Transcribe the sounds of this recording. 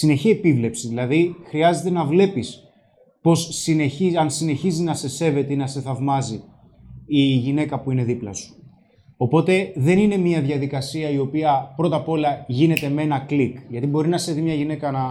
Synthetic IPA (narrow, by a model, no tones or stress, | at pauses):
sine̞çie̞pivle̞psiðilɐðixɾiɐze̞t̪e̞nɐvle̞pis | po̞sːineçiɐnsine̞çizinɐse̞se̞ve̞t̪einɐse̞θɐvmɐzi | iʝine̞kɐpuine̞ðiplɐsu̥ | o̞po̞t̪e̞ðe̞nine̞miɐðʝɐðikɐsiɐio̞piɐpɾo̞t̪ɐpo̞lɐʝine̞t̪e̞me̞nɐklikʝɐt̪ibo̞ɾinɐse̞vimɲɐʝine̞kɐnɐ